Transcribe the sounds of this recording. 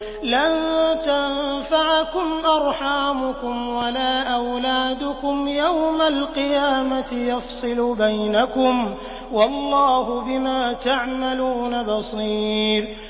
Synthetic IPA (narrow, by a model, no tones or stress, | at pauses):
lant̪anfaʕkʊmʔɑɾˤħaːmʊkʊmwalaːʔawlaːd̪ʊkʊmjawmalqɨjaːmat̪ɪjɑfsˤɨlʊbajnakʊm | wɑlˤːɑːɦʊbɪmaːt̪aʕmaluːnabɑsˤiːɾ